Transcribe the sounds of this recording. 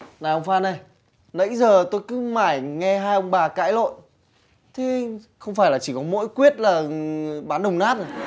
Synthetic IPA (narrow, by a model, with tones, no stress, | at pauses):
naː˨˩ʔə˧wŋ͡mfaː˧na˨˩j | nə̰˧˥jzəː˨˩t̪o˧jkɨ˨˦maː˧˩jŋɛ˧ɦaː˧jʔə˧ŋ͡mɓaː˨˩ka̰ː˧˥jlo̰˧˨j | t̪ʰe˨˦ | xə˧wŋ͡mfaː˧˩jlaː˨˩t͡ɕi˧˩kɔ˨˦mo̰˧˥jkwi˦˥ət̚laː˨˩ɓaː˨˦nɗə˨˩wŋ͡mnaː˦˥t̚ː